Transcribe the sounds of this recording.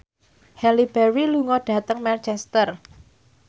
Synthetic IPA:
hɛlibɛɾiluŋɔɖ̥a̤t̪əŋmɛnt͡ʃɛst̪ər

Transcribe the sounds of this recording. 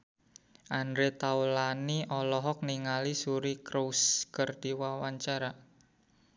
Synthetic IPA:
ʔand̪ɾet̪aulaniʔɔlɔɦɔk̚niŋalisuɾikɾowskərd̪̥iwawaɲt͡ʃaɾa

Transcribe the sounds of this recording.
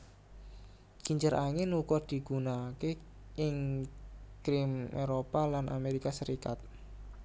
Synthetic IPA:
kiɲd͡ʒəɾʔaŋɪnukɔd̪̥i̤ɡ̥unake | ʔɪŋ | kɾɪmeɾopalanʔa̰meɾikasəɾikat̪̚

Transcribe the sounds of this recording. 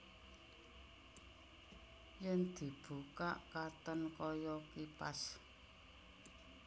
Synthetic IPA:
jɛnd̪̥i̤b̥ṳkaʔkat̪ɔnkɔjɔkipa̰s

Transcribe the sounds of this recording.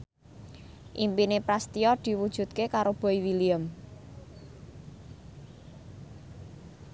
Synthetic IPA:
ʔimpinepɾast̪iɔd̪̥i̤wud̥ʒ̥ṳt̪̚kekaɾob̥ɔ̤iwiliəm

